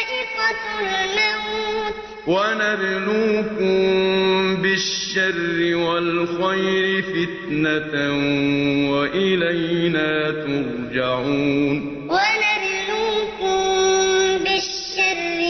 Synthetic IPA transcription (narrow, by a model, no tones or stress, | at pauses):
ad͡ʒɪfat̪ʊlnaut̪ | wanad̪luːkʊm | bɪʃːarːɪwalxajɾɪfɪt̪nat̪nwaʔɪlajnaːt̪ʊɾ | d͡ʒaʕuːn | wanad̪luːkʊm | bɪʃːarːɪ